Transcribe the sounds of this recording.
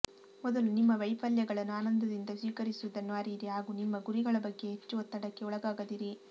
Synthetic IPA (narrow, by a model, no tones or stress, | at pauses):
mɔd̪ɐlunimːɐʋɐjpaːljɐɡɐɭɐnːuaːnɐnd̪ɐd̪ind̪ɐsʋiːkɐɾisud̪ɐnʋaːɾiɾiɦaːɡuːnimːɐɡuɾiɡɐɭɐbɐɡːe̞ɦet͡ʃːuʋɐt̪ːɐɽɐkːe̞ɔɭɐɡaːɡɐd̪iɾi